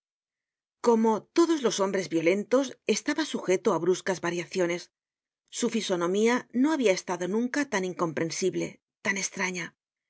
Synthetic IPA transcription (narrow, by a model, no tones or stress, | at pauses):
ko̞mo̞t̪o̞ðo̞zlo̞so̞mbɾe̞zβjo̞le̞nt̪o̞se̞st̪aβasuxe̞t̪o̞aβɾuskazβaɾjaθjo̞ne̞sː | ufiso̞nõ̞miano̞aβiae̞st̪aðo̞nũŋkat̪aniŋko̞mpɾe̞nsiβle̞̰ | t̪ane̞st̪ɾaɲa